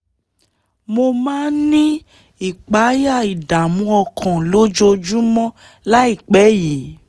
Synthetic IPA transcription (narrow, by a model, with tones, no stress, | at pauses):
mo˧mã˦nĩ˦ | i˦˨k͡pa˨˦ja˦˨i˨da˨mũ˨˦ɔ˧kʰɔ̃˨lo˨˦d͡ʒo˧d͡ʒu˦mɔ̃˦ | la˦i˦˨k͡pɛ˨˦ji˨˦